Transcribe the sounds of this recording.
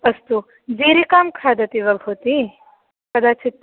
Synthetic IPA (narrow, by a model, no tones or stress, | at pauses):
ɐst̪u | d͡ʒiːɾikaːmkʰaːd̪ɐt̪iʋɐbʱut̪i | kɐd̪aːt͡ʃʰit̪ː